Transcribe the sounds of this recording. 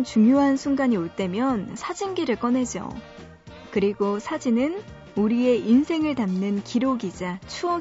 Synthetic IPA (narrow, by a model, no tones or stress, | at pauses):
nt͡ɕuŋjoɦansʰuŋɡaɲioɭt͈e̞mjʌnsʰad͡ʑinɡiɾɯɭk͈ʌnɦe̞d͡ʑo̰ | kɯɾiɡosʰad͡ʑinɯn | uɾie̞ʔinsʰe̞ŋɯɭtamnɯnkiɾoɡid͡ʑat͡ɕʰuʌ